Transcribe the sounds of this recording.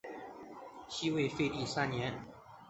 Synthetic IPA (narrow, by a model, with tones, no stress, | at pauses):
ɕi˥we˥˧ɪfe˥˧ɪt̪i˥˩sa˥nnjɛ˧˥n